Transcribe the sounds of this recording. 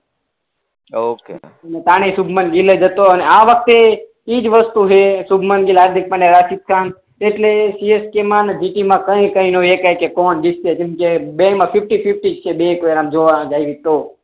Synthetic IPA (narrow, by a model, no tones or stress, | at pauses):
okḛ | ənet̪aɽ̃isubʱmənɡiled͡ʒət̪oəneaʋək̚ʰt̪e | id͡ʒʋəst̪uɦesubʱmənɡilɦaɾd̪ʱik̚pəɳeɾasit̪̚kʰan | eʈlesieskemãned͡ʒiʈimãkəẽkəinoekajkekonɖised͡ʒĩmkebẽmãfifʈififʈid͡ʒt͡ʃʰebekoɾamd͡ʒoʋãd͡ʒaiʋit̪o